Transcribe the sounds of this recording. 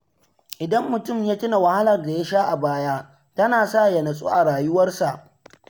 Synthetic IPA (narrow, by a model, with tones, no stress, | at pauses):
ʔɪ˨dɐ˦mːʊ˨tʊ˦˨mjaː˦tɪ˦na˨wɐ˨ha˦lɐ˨rda˨ja˦ʃaː˦ʔa˨baː˦jaː˦ | tɐ˦naː˨saː˦˨jɐ˨nɐ˨sʼṵ˦ʔa˨ɽaː˨jʊ˦wɐ˦rsa˨ʔ